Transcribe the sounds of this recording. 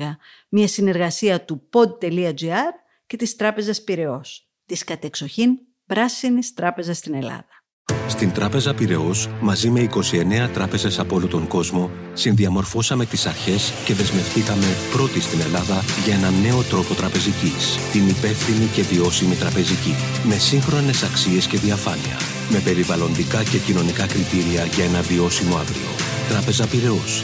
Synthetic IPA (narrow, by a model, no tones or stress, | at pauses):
ɣɐ | mɲɐsine̞ɾɣɐsiɐt̪upo̞d̪̚t̪e̞liɐd͡ʒiɐɾ | ce̞t̪ist̪ɾɐpe̞zɐspiɾe̞o̞s | t̪iskɐt̪e̞kso̞çin | pɾɐsinist̪ɾɐpe̞zɐst̪ine̞lɐ̰ðɐ | st̪int̪ɾɐpe̞zɐpiɾe̞o̞smɐzime̞iko̞sie̞ne̞ɐt̪ɾɐpe̞ze̞sɐpolot̪o̞ŋɡo̞zmo̞ | sinðiɐmo̞ɾfo̞sɐme̞t̪isɐɾçe̞sce̞ðe̞zme̞fθikɐme̞pɾo̞t̪ist̪ine̞lɐðɐʝɐe̞nɐne̞o̞t̪ɾo̞po̞t̪ɾɐpe̞zicist̪inipe̞fθinice̞vio̞simit̪ɾɐpe̞zici | me̞siŋxɾo̞ne̞sɐksie̞sce̞ðiɐfɐnḭɐ̰ | me̞pe̞ɾivɐlo̞nd̪ikɐce̞cino̞nikɐkɾit̪iɾiɐʝɐe̞nɐvio̞simo̞ɐ̰vɾḭo̞̰ | t̪ɾɐpe̞zɐpiɾe̞o̞s